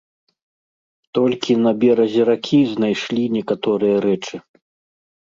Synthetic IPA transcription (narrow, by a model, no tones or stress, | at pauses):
t̪ɔlʲkʲinɐbʲɛɾɐzʲɛɾakʲʰiznajʂlʲinʲɛkat̪ɔɾɨjɐɾɛt͡ʂɨ